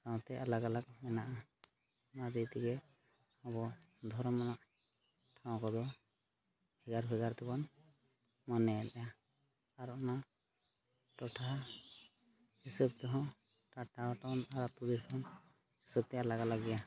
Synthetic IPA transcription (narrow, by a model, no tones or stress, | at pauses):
kaw̃t̪ɛʔalaɡalaɡmɛnaʔa | mad̪it̪iɡɛ | ɔbɔd̪ʱɔɾɔmanaʔ | ʈʰãw̃kɔd̪ɔ | bʰiɡaɾbʰʱiɡaɾt̪ɛbɔn | mɔnɛɛljaː | ɾɔna | ʈɔʈʰa | hisɔb̚t̪ɛɦɔ̃ | ʈaʈaʈɔnaɾat̪ud̪ɛshɔn | hisɔb̚t̪ɛalaɡalaɡɛja